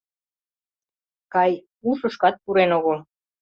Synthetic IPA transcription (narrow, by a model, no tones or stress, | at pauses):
kɑj | uʃə̆ʃkɑt̪̚puɾenoɣo